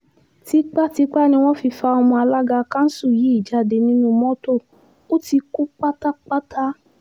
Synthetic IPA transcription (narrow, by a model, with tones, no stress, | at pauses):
ti˨˦k͡pa˦˨ti˧˦k͡pa˦˨nĩ˧w̃ɔ̃˦fi˧fa˧o˧mɔ̃˧a˧la˦ɡa˧kã˦n̩˦su˦˨ji˨˦i˦˨d͡ʒa˧de˧nĩ˦nũ˧mɔ̃˦to˦˨ | o˦ti˧ku˦k͡pa˦ta˦k͡pa˦tʰa˦